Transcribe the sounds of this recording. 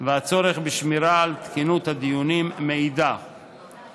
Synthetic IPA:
veat͡so̞ɾe̞χbiʃmiɾaːlt̪kinut̪had̪ijunimːeid̪a

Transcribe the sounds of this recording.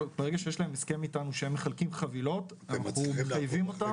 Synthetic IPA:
beeɡaʃejeʃlae̞meskemitanuʃeemːeχalkimχavilo̞t | anaχuajvimota

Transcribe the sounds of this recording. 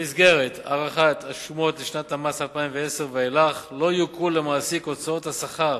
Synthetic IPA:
isɡe̞ʁeta̰ʁaχat̪aʃumo̞tliʃnat̪hamashalpaimveeseʁveelaχlo̞ajukulːe̞maːsikot͡sao̞thasaχa

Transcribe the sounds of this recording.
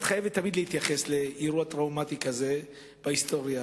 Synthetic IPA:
t̪χajevet̪ːamid̪lehit̪jaχe̞sle̞iʁuat̪ʁawmat̪ikaze̞ | b̥aist̪o̞ʁja

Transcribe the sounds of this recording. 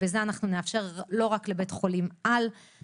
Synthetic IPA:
ezeanaχnuneafʃe̞ʁlo̞ʁakle̞betχo̞limʔal

